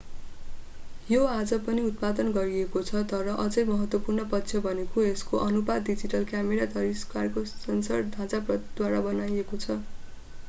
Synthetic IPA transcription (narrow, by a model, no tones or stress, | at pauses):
joad͡zʌpʌniut̪̚pad̪ʌnɡʌɾiekot͡sʰʌt̪ʌɾʌʔʌd͡zʌjmʌɦʌt̪wʌpurnʌpʌtːsʰjʌbʱʌnekoeskoʔʌnubad̪did͡ziʈʌlkjameɾat̪ʌɾiskarkosʌnsʌrd̪ʱãd͡zaprʌd̪waɾabʌnajekot͡sʰʌ